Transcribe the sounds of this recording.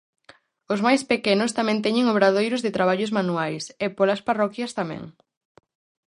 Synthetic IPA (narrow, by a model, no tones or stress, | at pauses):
ʊzmajspekɛnʊst̪amɛ̃nt̪ɛɲɪŋoβɾaðojɾʊzðɪt̪ɾaβ̞aʎʊzmanuajsɛpolɐsparɔkjɐst̪amɛ̰̃ŋ